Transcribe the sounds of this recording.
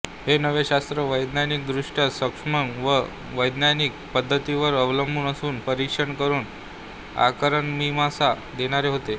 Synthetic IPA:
henəʋeɕast̪ɾəʋəjd̪nanik̚d̪ɾuʂʈjasəkʂməŋʋə | ʋəjd̪naniːk̚pəd̪ʱːət̪iʋəɾəʋləmbʱuːnəsuːnpəɾikʂəɳkəɾuːn | a̰kəɾəɳmimasa | d̪eɽ̃aɾeɦot̪e

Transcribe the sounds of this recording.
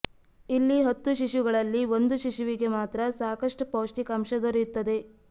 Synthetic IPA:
ilːiɦɐt̪ːuʃiʃuɡɐɭɐlːiʋo̞nd̪uʃiʃuʋiɡe̞maːt̪ɾɐsaːkɐʂʈupoːʂʈikɐmʃɐd̪oɾjut̪ːɐd̪e̞

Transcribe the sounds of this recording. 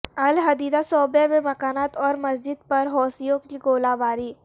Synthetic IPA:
ɐlɦɐd̪iːd̪asɔːbememɐkaːnaːt̪ɔːɾmɐzd͡ʒɪd̪pɐɾɦɔːsijõkiɡoːlaːbaːɾiː

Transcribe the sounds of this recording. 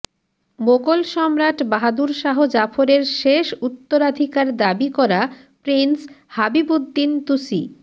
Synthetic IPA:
moɡolʃɔmɾaʈbaɦad̪uɾʃaɦod͡ʑafʰoɾeɾʃeʃut̪ːoɾad̪ʱikaɾd̪abikɔɾa | pɾinshabibud̪ːint̪usḭ

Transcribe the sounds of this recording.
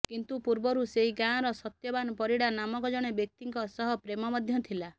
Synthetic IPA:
kint̪upuɾbɔɾuseɦiɡãɔɾɔsɔt̪jɔbanɔpɔɾiɽanamɔkɔd͡ʒɔɽ̃ebjek̚t̪iŋkɔsɔɦɔpɾemɔmɔd̪ʱjɔt̪ʰila

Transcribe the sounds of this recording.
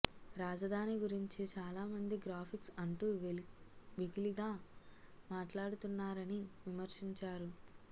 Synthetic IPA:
ɾaːd͡ʒɐd̪ʱaːniɡuɾiɲt͡ʃit͡ʃaːlaːmɐnd̪iɡɾaːpʰiksɐɳʈuː | ʋiɡiliɡaː | maːʈlaːɽut̪unːaːɾɐniʋimɐɾʃiɲt͡ʃaːɾu

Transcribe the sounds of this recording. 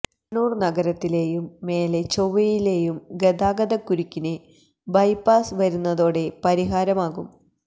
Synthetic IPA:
nuːrnɐɡɐɾɐt̪ːile̞ːjumːe̞ːle̞t͡ɕoʋɐjile̞ːjumɡed̪aːɡɐðɐkːuɾukʲːine | bɐjpaːsʋɐɾunːɐðo̞ːɽe̞pɐɾiɦaːɾɐmaːɣum

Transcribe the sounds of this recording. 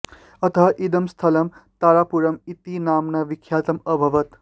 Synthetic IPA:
ɐt̪əɦaʔid̪ɐmst̪ʰɐlɐmt̪aɾapuɾɐmit̪inaːmnɐʋikʰjaːt̪ɐmʌbʱɐʋɐt̪

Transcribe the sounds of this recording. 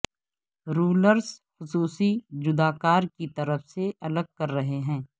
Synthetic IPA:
ɾuːləɾsxʊsuːsid͡ʒʊd̪aːkaːɾkit̪ɐɾəfseʔɐləɡ̚kɐɾːɐɦeɦɛ̃ː

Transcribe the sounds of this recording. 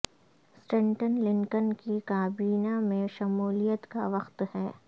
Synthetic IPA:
sʈɛ̃ɳʈənlɪ̃ŋkənkikaːbiːnamẽʃɐmuːlijət̪kaʋɐxt̪hɛː

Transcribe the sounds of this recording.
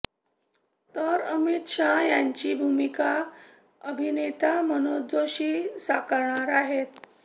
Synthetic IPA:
t̪əɾəmit̪ʂajaɲt͡ɕiːbʱumika | əbʱinet̪amənod̪oɕiːsakəɾɳaɾaɦet̪

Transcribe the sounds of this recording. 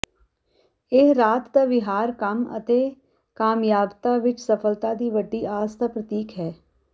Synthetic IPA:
eɾaːt̪d̪aʋɪɦaːɾkəmə̰t̪e | kaːmjaːbt̪aʋɪt͡ʃsəfəlt̪ad̪iːʋəɖiaːst̪apɾət̪iːkɦɛː

